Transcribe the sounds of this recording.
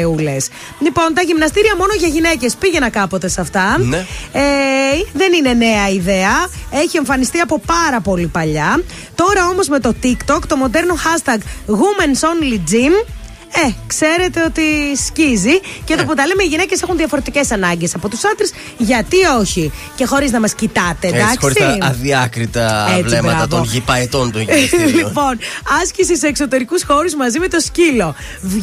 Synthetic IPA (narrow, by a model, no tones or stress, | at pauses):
ule̞s | lipo̞nt̪ɐʝimnɐst̪iɾiɐmo̞no̞ʝɐʝine̞ce̞spiʝe̞nɐkɐpo̞t̪e̞sɐft̪ɐ | eðe̞nine̞ne̞ɐiðe̞ɐe̞çie̞ɱfɐnist̪iɐpo̞pɐɾɐpo̞lipɐʎɐ | t̪o̞ɾɐo̞mo̞zme̞t̪o̞t̪ikt̪o̞kt̪o̞mo̞d̪e̞ɾno̞xɐst̪ɐɡɣumenso̞nlid͡zim | ekse̞ɾe̞t̪e̞o̞t̪iscizicet̪oɐpot̪ɐlemeiʝinece̞se̞xunðiɐfo̞ɾe̞t̪ice̞sɐnɐɲɟe̞sɐpo̞t̪u̥sɐnd̪ɾes | ʝɐt̪io̞çice̞xo̞ɾiznɐmɐscit̪ɐt̪eɐ̥oɾisiɐðiɐkɾit̪ɐet͡svlsiemɐɐpt̪onʝipɐet̪ont̪olipo̞nɐscisiseːksot̪e̞ɾikusxo̞ɾuzmɐzimet̪o̞scilo̞